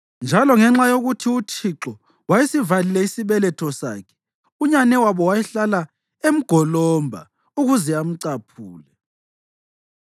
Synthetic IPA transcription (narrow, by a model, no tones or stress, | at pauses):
nd͡ʒʱalɔŋɛŋ͡ǁajoɣutʰiut͡ʃʰiǁɔ | wajesivalilɛisiβɛlɛtʰɔsa̰ːkʰɛ̥ | uɲanɛwaβɔwajɛɬala | em̩ɡ̥ʱɔlɔmbʱa̰ | uɣuzɛam̩ǀapʰuːlɛ